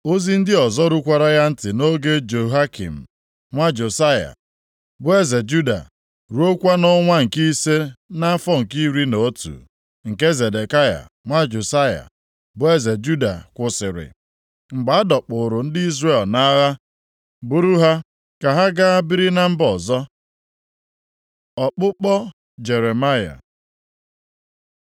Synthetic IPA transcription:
o˦zi˦n̩˦dɪ˦ɔ˨zɔ˦ɾu˦kʷa˨ɾa˦ja˦n̩˦tɪ˨no˦ɡe˦d͡ʒo˨ɦa˦kḭ˨m̩˨ | ŋʷa˦d͡ʒo˨sa˦ja̰˨ | bʊ˦e˦ze˨d͡ʒu˦da̰˨ | ɾu˦o˦kʷa˦nɔ˦ŋʷa˦ŋ̩˨ki˦se˦na˦fɔ˦ŋ̩˨ki˦ɾi˦no˨˦tṵ˨ | ŋ̩˨ke˦ze˨de˨ka˦ja̰˨ | ŋʷa˦d͡ʒo˨sa˦ja̰˨ | bʊ˦e˦ze˨d͡ʒu˦da̰˨kʷʊ˨sɪ˨ɾɪ̰˨ | ŋ͡m̩˨ɡ͡ba˨˦a˦dɔ˨k͡pʊ˨ɾʊ˨n̩˦dɪ˦i˦zre˦˨lna˦ɣa˦ | bʊ˦ɾu˦ɦa˦ | ka˨ɦa˦ɡa˦a˦bi˦ɾi˦na˦m̩˦bɔ˨zɔ˦ | ɔ˨k͡pʊ˦k͡pɔ˦ | d͡ʒe˨ɾe˨ma˦ja̰˨

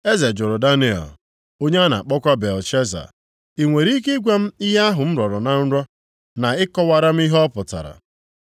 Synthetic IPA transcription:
e˦ze˨d͡ʒʊ˨ɾʊ˨da˦ni˨ɔ̰˨l | o˦ɲe˦a˦na̰˨a˨k͡pɔ˦kʷa˦be˨lt͡ʃe˦za̰˨ | i˨ŋʷe˨ɾi˦ke˦ɡʷe˦m̩˦i˦ɦa˦ɦʊ˨m̩˦ɾɔ˨ɾɔ˨na˨n̩˦ɾɔ˦ | na˨ɪ˦kɔ˦wa˨ɾa˦m̩˦i˦ɦɔ˦pʊ˨ta̰˨ɾa̰˨

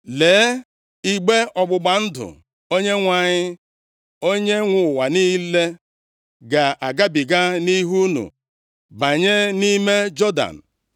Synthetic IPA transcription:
leː˨˦ | i˦ɡ͡be˦ɔ˨ɡ͡bʊ˨ɡ͡ba˨n̩˦dʊ̰˨ | o˦ɲe˦ŋʷa˨ɲɪ˦ | o˦ɲe˦ŋʷʊ˨wa˨ni˦le˦ | ɡa˨a˨ɡa˦bi˨ɡa˦ni˦ɦu˦nṵ˨ | ba˨ɲe˦ni˦me˦d͡ʒɔ˦da̰˨n̩˨

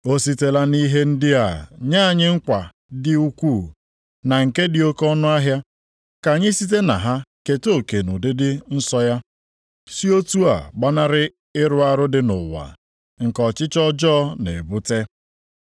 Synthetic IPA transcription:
o˦si˦te˦la˦ni˦ɦe˦n̩˦dɪ˦a˨ɲa˦˨ɲɪ˦ŋ̩˦kʷa˨ | dɪ˦u˦kʷu˦˨ | na˨ŋ̩˨ke˦dɪ˨o˦kɔ˦nʊ˦a˦ɦja˦ | ka˨ɲɪ˦si˦t̬e˦na̰˨ɦa˦ke˨to˦˨ke˨nʊ˨dɪ˦dɪ˦n̩˦sɔ˦ja˦ | si˦o˦tu˦a̰˨ɡ͡ba˦na˦ɾɪ˦ | ɪ˦ɾʊ˦a˦ɾʊ˦dɪ˦nʊ̰˨wa̰˨ | ŋ̩˨kɔ˨t͡ʃɪ˦t͡ʃɔ˦d͡ʒɔ˦nḛ˨bu˦te˦

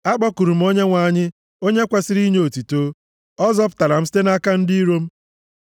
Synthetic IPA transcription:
a˦ɡ͡bɔ˦ku˨ɾu˨m̩˦o˦ɲe˦ŋʷa˨˦˨ɲɪ˦ | o˦ɲe˦kʷa˦sɪ˦ɾi˦ɲe˨o˨ti˨toː˦ | ɔ˦zɔ˦p̬ta˨ɾa˨m̩˦si̥˦te˦na˦ka˦n̩˦di˦ɾo˦m̩˦

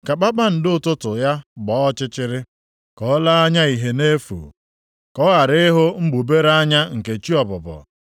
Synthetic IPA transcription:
ka˨k͡pa˦k͡pa˦n̩˨dʊ˨tʊ˦tʊ˨ja˦ɡ͡bɔ˨˦ɔ˦t͡ʃɪ˦t͡ʃɪ˦ɾɪ˦ | kɔ˦la˦a˦ɲa˦i˨ɦe˨ne˦fṵ˨ | kɔ˦ɣa˨ɾɪ˦ɪ˦ɦʊ˦ŋ͡m̩˦ɡ͡bu˨be˦ɾa˦ɲa˦ŋ̩˨ke˨t͡ʃi˦ɔ˨pʊ˨pɔ̰˨

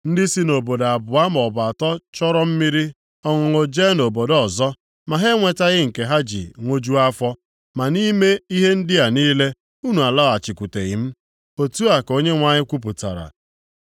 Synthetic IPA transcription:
n̩˦dɪ˦si˦no˨bo˨da˨bʊ˨a˦mɔ˨ba˨tɔ˦t͡ʃɔ˦ɾɔ˦m̩˦mi˦ɾi˦ | ɔ˦ŋʊ˨ŋo˨d͡ʒe˦no˨bo˨dɔ˨zɔ˦ | ma˨ɦe˦ŋʷe˨ta˦ɣɪ˦ŋ̩˨ke˨ɦa˦d͡ʒḭ˨ŋʷo˦d͡ʒu˦a˦fɔ˦ | ma˨ni˦me˦i˦ɦe˦n̩˦dɪ˦a˨niː˦le˦ | u˦nu˨a˨la˦˨a˨t͡ʃi˨kʷu˨te˨ɣɪ̰˨m̩˦ | o˨tu˦a˨ko˦ɲe˦ŋʷa˦ɲɪ˦kʷu˦p̬ʊ˨ta̰˨ɾa̰˨

